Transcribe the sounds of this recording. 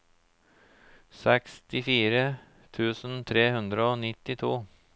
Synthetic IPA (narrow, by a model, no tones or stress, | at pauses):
sɛkst̪ɪfiːɾə | t̪ʰʉːsn̩t̪ʰɾeːhʉnd̪ɾəoːnɪt̪ːɪt̪ʰuː